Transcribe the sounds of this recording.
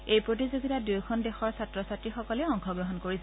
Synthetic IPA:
ejpɹot̬izoɡitadujkʰɔndexɔɹsatɹɔsatɹixɔkɔlɛɔŋxʰɔɡɹɔɦɔnkoɹisɛ

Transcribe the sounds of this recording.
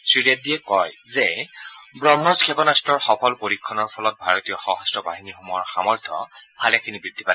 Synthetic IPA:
sɹiɹiadiɛkɔjzɛ | bɹɔmnɔskʰɛpɔnastɹɔɹxɔpʰɔlpoɹikʰːɔnɔɹpʰɔlɔt̚bʱaɹotijɔxɔɦɔstɔba̰ɦinixumɔɔɹxa̰mɔɹtʰɔ̰b̥ʱalakʰinibɹidʱːipadɛ

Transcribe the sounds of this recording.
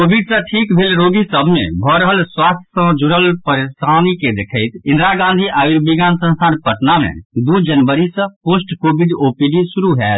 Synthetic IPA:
kobʱiɖsə̃ʈʰikbʱelɾoɡisəbʱmḛbʱɔɾəɦəlswast̪ʰjəsə̃d͡ʒuɾəlpəɾesaniked̪ekʰəɪt̪ĩnd̪ɾaɡãnd̪ʱiʔaiɾbiɡansə̃nst̪ʰanpəʈnamḛd̪ud͡ʒənʋəɾisə̃posʈkobiɖopiɖisuɾuɦɛt̪

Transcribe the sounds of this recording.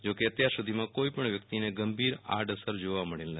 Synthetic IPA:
d͡ʒokeət̪jaɾsud̪ʱimãkoipəɳʋjək̚t̪ineɡəmbʱiɾa̰ɖəsəɾd͡ʒoʋaməɽelnə

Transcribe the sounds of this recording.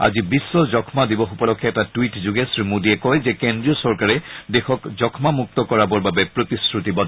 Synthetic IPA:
a̰zibisːɔzɔkʰmadibɔxupɔlɔkʰːɛɛtatwitzuɡɛsɹimudiɛkɔjzɛkɛndɹijɔsɔɹkaɹɛdɛxɔkzɔkʰmamuk̚t̪ɔkɔɹabɔɹbabɛpɹotiskɹutibɔ

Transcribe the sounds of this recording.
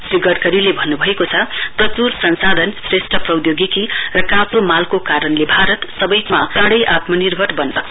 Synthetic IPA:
siɡʌʈkʌɾilebʱʌnːubʱʌekot͡sʰʌprʌt͡sursʌnsad̪ʱʌnsresʈrʌprʌwd̪joɡikirʌkãsomalkokaɾʌnlebʱaɾʌt̪sʌbʌjmakãɽʌjʔat̪mʌnirbʱʌʈbʌnsʌk̚t͡sʰ

